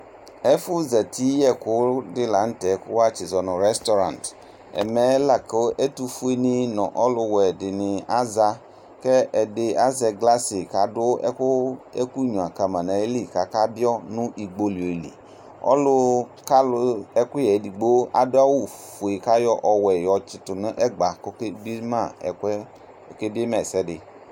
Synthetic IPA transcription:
ɛ˦fʊ˦zɛ˨ti˦jɛ˦kʊ˦dɪ˦la˨n̩˦tɛ˨˦kʊ˦wa˦t͡ʃɪ˨zɔ˨nɔ̃˨ɾɛ˦stɔ˦ɾã̰˨nt | ɛ̰˨mɛ˨˦la˨ko˦ʔɛ˦tu˦fu˦e˦nɪ̃˦nɔ̰̃˨ʔɔ˦lʊ˦wɛ˨dɪ˨nɪ̃˨a˦za˦ | kɛ˦ʔɛ˨dɪ˨a˦zɛ˨ɡla˦sɪ˨ka˨dʊ˦ɛ̰˦kʊ˦e˦ku˦ɲũ˨a˨ka˨mã˨nã˨e˦li˨ka˨ka˦bi˦ɔ˦nʊ̃˦ʔi˨ɡ͡bo˨li˨o˨lḭ˨ | ɔ̰˦lʊ˦ka˦lʊ˦ɛ˦kʊ˦jɛ˨di˨ɡ͡bo˦ʔa̰˨dʊ˦a˦wu˨fu˨e˨ka˦jɔ˦ʔɔ˨wɛ˨jɔ˨t͡ʃɪ˨tʊ˨nɪ̃˦ʔɛ˦ɡ͡ba˨kbi˦mã̰˦˨k | ke˦bi˦e˦mɛ˨sɛ˦dɪ˨

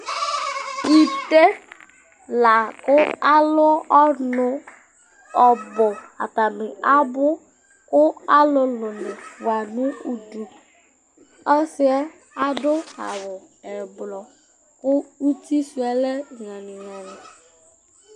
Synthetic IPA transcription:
i˨te˦ | la˨kʊ˦a˦lʊ˦ɔ˦nʊ˦ | ɔ˨bʊ˨a̰˨ta˨mɪ˨a˦bʊ˦ | kʊ˦a˦lʊ˦lʊ˨nɪ˨va˨nʊ˦u˨du˨ | ɔ˦sɪ˦ɔ˦ | a˨dʊ˦a̰˨wʊ˨ | ɛ˨blɔ˨ | kʊ˦u˦ti˦su˨ɛ˦lɛ˦˨ŋa˨nɪ˨ŋa˨nɪ˨

